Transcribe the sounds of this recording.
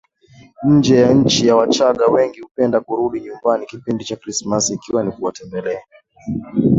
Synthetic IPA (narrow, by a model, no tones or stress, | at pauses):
ɲ̩d͡ʒɛjaɲ̩t͡ʃijawat͡ʃaɠawɛŋɡihupɛndakuɾuɗiɲumbanikipindit͡ʃakɾismasːkiwanikuwatɛmbɛlɛa